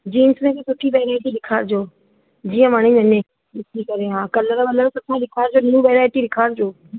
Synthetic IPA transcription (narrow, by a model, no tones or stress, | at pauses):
d͡ʑiːnsmẽkʰeːsʊʈʰiʋɛːɾaːɪʈiɗɪkʰaːɾd͡ʑoː | d͡ʑiːə̃maːɽ̃ɪɲɐnẽ | ɗɪtʰikɐɾeɦãːkɐləɾkɐləɾsʊʈʰaɗɪkʰaːɾd͡ʑoːniũʋɛːɾaːɪʈiɗɪkʰaːɾd͡ʑoː